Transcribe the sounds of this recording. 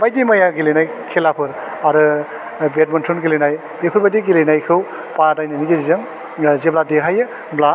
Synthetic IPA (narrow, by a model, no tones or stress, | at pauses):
bajdimajaɡilenaj | kʰelapʰɯɾ | aɾɯ | bet̚mɔntʰunɡilenaj | bepʰɯɾbadiɡilejnajkʰɯw | padajnɯniɡezizɯŋ | zebladeɦajɯ | bla